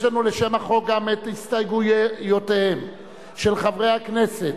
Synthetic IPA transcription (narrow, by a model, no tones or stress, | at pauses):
lanuleʃe̞maχo̞k̚ɡametistajɡujotehem | ʃelχavʁejhakne̞set